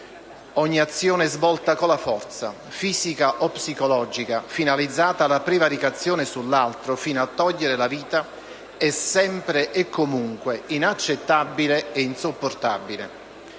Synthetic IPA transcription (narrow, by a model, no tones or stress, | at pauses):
ɔɲːiat̪sːjoːneɛzvɔlt̪akolafɔrt̪sa̰ | fiːzikaʔɔpːsikolɔd͡ʒikafinalid̪zːaːt̪alapɾevaɾikat̪sːjoːnɪsulːalt̪ɾofinoat̪ːɔʎːeɾelaviːt̪a | ɛsɛmpɾeʔekːomuŋkweinat͡ʃːet̪ːabːileeinsopːort̪abilḛ